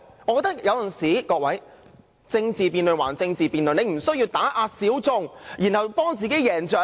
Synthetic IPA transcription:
ŋɔː˨˧kɔ˧t̪ɐ˥kjɐ˨˧wt͡sɐ˨˩nsiː˨˥kɔː˧k̚wɐ˨˥j | t͡sɪ˧ŋt͡siː˨piː˨˧nlɵ˨˩wa̰ː˨˩nt͡sɪ˧ŋt͡siː˨piː˨˧nlɵ˨ne˨˧jm̩˨˩sɵ˥ɥjiː˧wt̪aː˨˥ʔaː˧siː˨˥wt͡sʊ˧ŋjiː˨˩nhɐ˨wpɔː˥ŋt͡siː˨˩ke˨˥jjɛː˨˩nt͡sœː˨˩

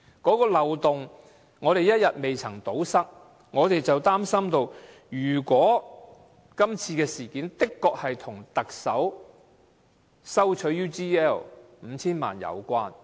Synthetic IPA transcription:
kɔː˨˥kɔː˧lɐ˨wt̪ʊ˨ŋ | ŋɔː˨˧ɾe˨jɐ˥t̚jɐ˨t̚me˨jt͡sʰɐ˨˩ŋt̪o˨˥wsɐ˥k̚ | ŋɔː˨˧t̪e˨jt͡sɐ˨wt̪aː˥msɐ˥mt̪o˧w | jyː˨˩kʷɔː˨˥ | kɐ˥mt͡sʰiː˧kɛː˧siː˨˩kiː˨˥nt̪ɪ˥kːɔː˧k̚hɐ˨jt̪ʰʊ˨˩ŋt̪ɐ˨k̚sɐ˨˥w | sɐ˥wt͡ʃʰɵ˨˥juː˥tiː˥ɛː˥˩lm̩˨˧˦t͡sʰiː˥nma̰ː˨njɐ̰˨˧wkʷaː˥n

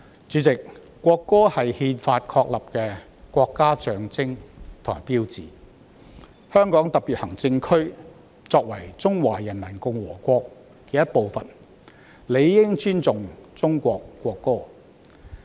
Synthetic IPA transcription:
t͡ʃyː˨˥t͡sɪ˨k̚ːʷ | ɔː˧kːɔː˥hɐ˨jhiː˧nfaː˧t̚kʰɔː˧k̚lɐ˨p̚kɛː˧ | kʷɔː˧kːaː˥t͡ʃœː˨˧ŋt͡sɪ˥ŋt̪ʰɔ̰ː˨˩piː˥wt͡siː˨ | hœː˥ŋkɔː˨˥ŋt̪ɐ˨p̚piː˨˩t̚hɐ˨˩ŋt͡sɪ˧ŋkʰɵ˥ɥ | t͡sɔː˧k̚wɐ˨˩jt͡sʊ˥ŋwaː˨˩jɐ˨˩nlɐ˨˩nkʊ˨ŋwɔː˨˩kʷɔː˧k̚ː | e˨˧˥jɐ˥t̚po˨˧wfɐ˨n | le˨˧jːɪ˥ŋt͡ʃyː˥nt͡sʊ˨ŋt͡sʊ˥ŋkʷɔː˧kːʷɔː˧kːɔː˥

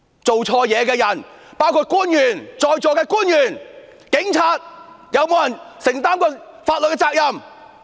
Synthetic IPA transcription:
t͡so˨wt͡ʃʰɔː˧jɛː˨˧kɛː˧jɐ˨˩n | paː˥wkʰu˧t̚kuː˥njyː˨˩nt͡sɔː˨jt͡ʃɔː˨˧kɛː˧kuː˥njyː˨˩n | kɪ˨˥ŋt͡sʰaː˧t̚ | jɐ˨˧wmo˨˧wjɐ˨˩nsɪ˨˩ŋt̪aː˥mkɔː˧faː˧t̚lə˨t̚kɛː˧t͡saː˧˥k̚jɐ˨m

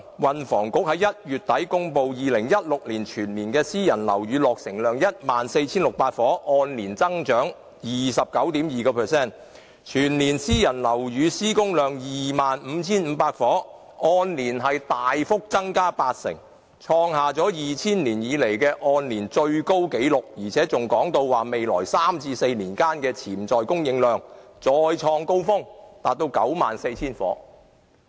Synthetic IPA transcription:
wɐ˨nfɔː˨˩ŋkʊ˨˥k̚hɐ˨˧˥jɐ˥t̚jyː˨t̚t̪ɐ˨˥jkʊ˥ŋpo˨wjiː˨˩lɪ˨˩ŋjɐ˥t̚lʊ˨k̚liː˨˩nt͡ʃʰyː˨˩nliː˨˩nkɛː˧siː˥jɐ˨˩nlɐ̰˨˩wjyː˨˧lɔː˨k̚sɪ˨˩ŋlœː˨ŋjɐ˥t̚maː˨nse˧jt͡sʰiː˥nlʊ˨k̚paː˧t̚fɔː˨˥ʔɔː˧nliː˨˩nt͡sɐ˥ŋt͡ʃœː˨˥ŋ | jiː˨˩sɐ˨p̚kɐ˨˥wt̪iː˨˥mjiː˨kɔː˧pʰɛː˨˩sɛː˥˩n | t͡ʃʰyː˨˩nliː˨˩nsiː˥jɐ˨˩nlɐ˨˩wjyː˨˧siː˥kʊ˥ŋlœː˨ŋjiː˨˩maː˨nm̩ː˨˧˦t͡sʰiː˥nm̩˨˧paː˧t̚fɔː˨˥ | ɔː˧nliː˨˩nɦɐ˨jt̪aː˨jfʊ˥k̚t͡sɐ˥ŋkaː˥paː˧t̚sɪ̰˨˩ŋ | t͡ʃʰɔː˧ŋhaː˨t͡sɔː˨˥jiː˨˩t͡sʰiː˥nliː˨˩njiː˨˧le˨˩jkɛː˧ʔɔː˧nliː˨˩nt͡ʃɵ˧ɥko˥wke˨˥jlʊ˨k̚jiː˨˩t͡sʰɛː˨˥t͡sʊ˨˩ŋkɔː˨˥ŋt̪o˧wwaː˨˩me˨jlɔː˨˩jsaː˥mt͡sʰiː˧se˧jniː˨˩nkaː˥nkɛː˧t͡sʰiː˨˩mt͡sɔː˨jkʊ˥ŋjɪ˨˧˥ŋlœː˨˧ŋt͡sɔː˧jt͡ʃʰɔː˧ŋko˥wfʊ˥ŋt̪aː˨t̚t̪o˧wkɐ̰˨˥wma̰ː˨nse˧jt͡sʰiː˥nfɔ̰ː˨˥

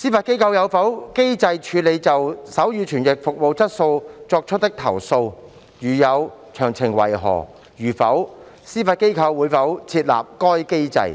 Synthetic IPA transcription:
siː˥faː˧t̚ke˥jkʰɐ˧wjɐ˨˧wfɐ˨˥wke˥jt͡sɐ˧jt͡ʃʰyː˨˧le˨˧jt͡sɐ˨wsɐ˨˥wjyː˨˧t͡ʃʰyː˨˩njɪ˨k̚fʊ˨k̚mo˨˧wt͡sɐ˥t̚so˧wt͡sɔː˧k̚t͡ʃʰɵ˥t̚t̪ɪ˥k̚t̪ʰɐ˨˩wso˧w | jyː˨˩jɐ˨˧w | t͡ʃʰœː˨˩ŋt͡sʰɪ˨˩ŋwɐ̰˨˩jɦɔ̰ː˨˩ | ɥyː˨˩fɐ˨˥w | siː˥faː˧t̚ke˥jkʰɐ˧wːuː˨˧jfɐ˨˥wt͡sʰiː˧t̚la̰ː˨p̚kɔː˥jke˥jt͡sɐ̰˧j

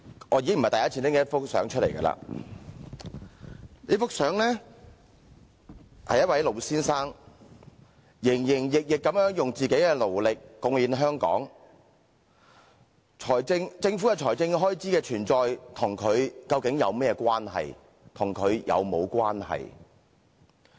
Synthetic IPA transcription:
ŋʔɔː˨˧ji˧˥ɪ˥ŋm̩˨t̪jɐ˥t͡sʰiː˨˧ntt͡sɪ˥ŋkɛ˧˦ɐ˥fʊ˥k̚sœ̰ː˨˥ŋt͡ʃʰɵ˥le˨˩jkɐ̰˧la̰ː˧ | ne˨˥fʊ˥k̚sœː˨˥ŋlɛː˥ | hɐ̰˨jːɐ˥t̚wɐ˨˥jlo˨˧wsiː˥nsaː˥ŋ | jɪ˨˩ŋjɪ˨˩ŋjɪ˨k̚jɪ˨kːɐ˨˥mjœː˨˥ŋjʊ˨ŋt͡siː˨ke˨˥jkɛː˧lo˨˩wlɪ˨k̚ːʊ˨˧ŋjiː˨˥nɦœː˥ŋkɔ̰ː˨˥ŋ | t͡ʃʰɔː˨˩jt͡sɪ˧ŋt͡sɪ˧ŋfu˨˥ja˨˩t͡ʃʰɔː˨˩jt͡sɪ˧ŋɦɔː˥jt͡siː˨˥kɛː˧t͡ʃʰyː˨˩nt͡sɔː˨jt̪ʰʊ˨˩ŋkʰɵ˨˧ɥkɐ˧wkɪ˨˥ŋjɐ˨˧wmɛː˥ɛ˧kwaː˥nɦɐ̰˨j | t̪ʰʊ˨˩ŋkʰɵ˨˧ɥjɐ̰˨˧wmo˨˧wkʷaː˥nhɐ̰˨j

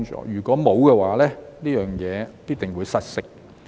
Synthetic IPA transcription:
ŋt͡ʃɔ̰ː˨˦jyː˨˩kʷɔː˨˥mo˨˧wkɛː˧waː˨˧lɛː˥liː˥jœː˨˩ŋjɛː˨˧piː˥t̚t̪ɪ˨˩ŋwuː˨˧jsɐ˨˥t̚sɪ˥k̚

